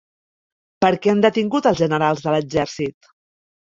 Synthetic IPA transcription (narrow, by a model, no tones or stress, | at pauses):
pəɾkɛənd̪ət̪iŋɡut̪əlˠzʒənəɾalˠzðələɡd͡ʒɛɾsit̪